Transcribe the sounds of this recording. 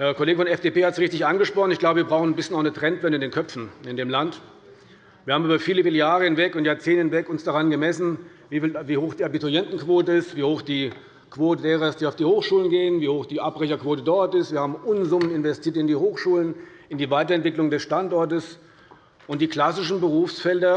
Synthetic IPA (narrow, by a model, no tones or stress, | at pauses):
hɛɐkoleːɡəfɔnɛfd̥eːpeːhatsʁɪçtɪçʔanɡəʃpʁ̥ɔχn̩ɪçɡ̥laʊbəviɐbʁaʊxn̩nbɪsçnaʊxnətʁ̥ɛntvɛndəɪndeːnkʰœpp͡fn̩ɪndeːmlant | viːɐhaːmʔyːbɐfiːləfɪːljaːʁəhɪnvɛkʊntjaɐt͡seːnəhɪnvɛkʊnsd̥aʁanɡəmɛsn̩ | viːfiːltviːhoːxd̥iːabitʊjɛntn̩kv̥oːtəɪstv̥iːhoːxd̥iː | kv̥oːtədeːʁɐɪsd̥iːaʊfd̥iːhoːxʃuːlənɡeːənviːhoːxd̥iːʔapʁ̥ɛçɐkv̥oːtədɔɐtɪstviːɐhaːbm̩ʔʊnzʊmənɪnvɛstʰiːɐtɪndiːhoːxʃuːlən | ɪndiːvaɪtɐɛntv̥ɪklʊŋdɛsʃtantʔɔɐtəs | ʔʊnt̚d̥iːkl̥asɪʃn̩bəʁ̞uːfsfɛldɐ